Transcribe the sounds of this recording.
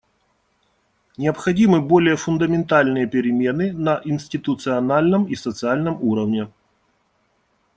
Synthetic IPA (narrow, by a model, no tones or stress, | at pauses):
nʲɪɐpxɐdʲimɨbo̞lʲɪjəfʊnd̪əmʲɪnt̪alʲnɨjəpʲɪɾʲɪmʲe̞nɨnɐʔɪnʲsʲtʲɪt̪ʊt̪sɨɐnalʲnəmisət̪sɨalʲnəmuɾəvnʲɪ